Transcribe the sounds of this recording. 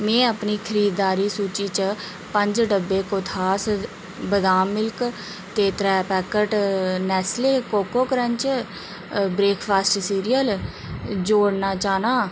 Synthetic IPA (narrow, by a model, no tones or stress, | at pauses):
mɛ̃ːəpniːkʰəɾiːd̪ːaːɾiːsuːt͡ʃiːt͡ʃə | pə̃ɲd͡ʒɖəbːeːkot̪ʰaːs | bəd̪aːmːɪlk | t̪eːt̪ɾɛːpɛːkəʈnɛːsleːkoːkoːkəɾənt͡ʃ | bɾeːkʰpʰaːsʈsiːɾijəl | d͡ʒoːɽnaːt͡ʃaːnaː